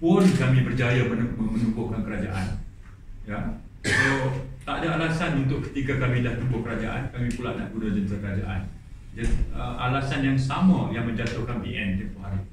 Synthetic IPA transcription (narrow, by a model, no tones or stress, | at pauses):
pʊnkamĩbərd͡ʒajamənməmə̃numbʊhkankəɾad͡ʒa̰ʔa̰n | ja | sot̪aʔdaalasanunt̪ʊʔkə̥t̪ikakamĩlaht̪umbʊhkəɾad͡ʒaʔa̰nkamĩpulaʔna̰ʔɡunad͡ʒənt̪ɾakəɾad͡ʒa̰ʔa̰n | d͡ʒadiəʔalasanjaŋsamãjaŋmə̃ɲd͡ʒat̪ʊhkanpiʔɛnt̪əp̪ʊɦaɾi